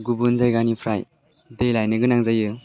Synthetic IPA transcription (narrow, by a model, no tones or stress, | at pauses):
ɡubunzajɡanipʰɾaj | dejlajnɯɡɯnaŋzajɯ